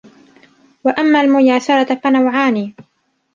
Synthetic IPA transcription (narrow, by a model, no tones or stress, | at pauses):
waʔamːaːlmʊjaːsɑɾˤɑfanawʕaːniː